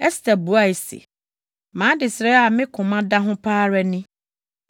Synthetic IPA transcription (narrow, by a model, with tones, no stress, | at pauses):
ɛ˦st̪ʰa˨bu˨a˨e˨sḛ˨ | mãː˨˦dɪ˨sɾɛ˦a˨mɪ̃˦kʰʊ̃˨mã˦da˦ɦʊ̃˦pʰaː˦ɾɛ˦nɪ̃˦